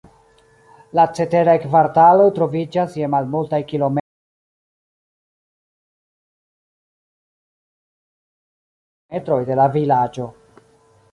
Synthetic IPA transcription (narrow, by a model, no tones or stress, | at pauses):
lat͡se̞te̞ɾajkvaɾtalo̞jtɾo̞vid͡ʒasjemalmultajkilo̞m | etɾo̞jde̞lavilad͡ʒo̞